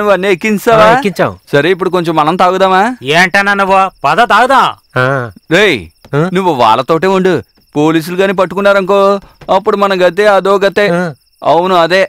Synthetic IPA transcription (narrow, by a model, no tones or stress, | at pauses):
nuʋɐnːiekːiɲt͡ʃaːʋaːekːiɲt͡ʃawsɐɾeːipːuɽuk̬o̞ɲt͡ʃomːɐnɐmt̪aːɡud̪aːmaːeːɳʈɐnɐnuʋapɐd̪ɐt̪aːɡud̪aː | ɾeːjnuʋːuʋa̰ːɭːɐt̪o̞ːʈ̬eːuɳɖu | po̞ːliːs̬uluɡaːniːpɐʈːukunːaːɾɐŋkoːɐpːuɽumɐnɐmɡɐt̪̬eːad̪ɔːɡɐt̪eː | ɐʋunuɐd̪eː